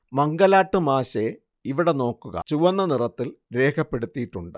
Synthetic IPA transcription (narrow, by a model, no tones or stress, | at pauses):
mɐŋɡɐlaːʈːɨmaːɕe | iʋiɽe̞no̞ːkːuɣɐ̰t͡ɕuʋɐnːɐnirɐt̪ːilɾe̞ːkʰɐpːe̞ɽut̪ːijiʈːuɳɖɨ